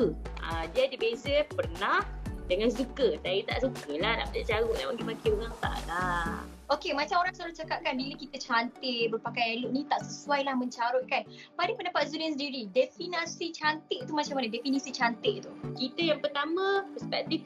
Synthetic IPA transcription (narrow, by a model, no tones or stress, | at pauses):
əʔa̰diədibezəpərnahdəŋãnsukət̪aɾit̪a̰ʔsukəlahna̰ʔbəd͡ʒaʔt͡ʃawʊʔnawaŋkimakiuŋaŋt̪a̰ʔla | okemãt͡ʃamoɾaŋsalʊt͡ʃakaʔ̚kanbiləkit̪ət͡ʃant̪ɪʔbərpakajelʊʔnĩt̪aʔsəsuajlahmə̃ɲt͡ʃaɾʊʔ̪̚kan | padapəndapat̪̚sudɛnsədiɾidefinasit͡ʃant̪ɪʔ̚t̪umat͡ʃamanədɛfinisit͡ʃant̪ɪʔt̪ukit̪əjaŋpərt̪amə̃pəspɛk̚t̪if